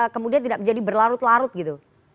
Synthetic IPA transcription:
kəmudiant̪idaʔməɲd͡ʒadibərlaɾʊt̪laɾʊt̪̚ɡit̪u

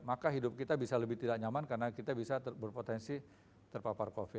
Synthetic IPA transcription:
makaɦidʊp̚kit̪abisaləbɪht̪idak̚ɲamankarənakit̪abisabərpot̪ɛnsi | t̪ərpaparkofɪ

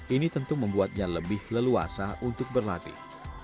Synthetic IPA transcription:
ʔinit̪ənt̪uməmbuat̪̚d͡ʒaŋləbɪhləlua̰saʔunt̪ʊk̚bərlat̪ḭ

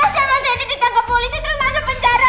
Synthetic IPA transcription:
asamasainikit̪aŋkəpːolisit̪əɾʊsmasʊbəɲt͡ʃaɾa

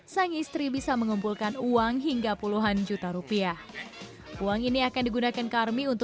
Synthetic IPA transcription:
saŋist̪ɾibisaməŋumpulkanuaŋɦiŋɡapuluɦand͡ʒut̪aɾupiah | uaŋiniakandiɡunakankarmiunt̪

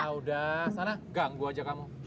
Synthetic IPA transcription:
audasanaɡaŋɡuad͡ʒakamu

